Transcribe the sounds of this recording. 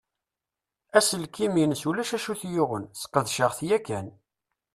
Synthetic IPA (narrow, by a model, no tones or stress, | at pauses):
æsəlkiminsulæʃæʃuθjʊʁənsə̥qːəðʃəʁθjækːæn